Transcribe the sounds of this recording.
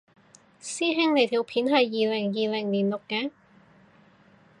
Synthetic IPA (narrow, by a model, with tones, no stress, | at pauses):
siː˥ɦɪ˥ŋne˨˩jt̪ʰiː˨˩wpʰiː˨˥nɦɐ˨jːiː˨lɪ˨˩ŋjiː˨lɪ˨˩ŋliː˨˩nlʊ˨kːaː˨˥